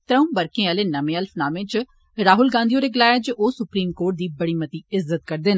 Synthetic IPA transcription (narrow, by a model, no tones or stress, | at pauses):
t̪ɾəũːbəɾkẽːaːleːnɐmẽːəlpʰnaːmẽːt͡ʃ | ɾaːɦʊlɡãːnd̪ijoːɾeːɡɪlaːjaːd͡ʒʔoːsʊpɾiːmkoːɾʈ̚d̪iːbɐɽiːmət̪iːɪzːət̪̚kɐɾd̪eːn